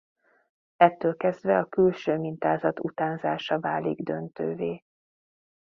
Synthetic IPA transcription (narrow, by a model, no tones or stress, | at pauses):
ɛt̪ːøːlkɛzd̪vɛɒkylʃøːmint̪aːzɒt̪ut̪aːnzaːʃɒvaːliɡd̪ø̰nt̪ø̰ːveː